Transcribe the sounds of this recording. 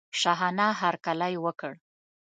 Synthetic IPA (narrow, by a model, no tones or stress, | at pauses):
ʃaɦɑnɑɦaɾkalajwəkəɽ